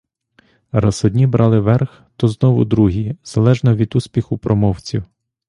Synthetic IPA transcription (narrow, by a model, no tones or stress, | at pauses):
rɑzɔd̪ʲnʲibɾʔɑlˠɪʋɛrx | t̪ɔznɔʋʊ̰d̪ɾuɦiz̥ɐlˠɛʒnɐʋʲid̪usʲpʲixʊpɾʔɔmɔwt͡sʲiw